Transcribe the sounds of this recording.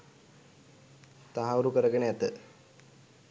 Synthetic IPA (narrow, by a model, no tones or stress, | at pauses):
t̪aɦauɾukəɾəɡeneat̪ə